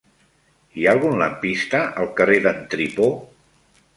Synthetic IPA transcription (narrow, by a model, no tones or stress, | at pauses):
iaːlˠɣunləmpist̪əʔəlˠkəreðənt̪ɾipo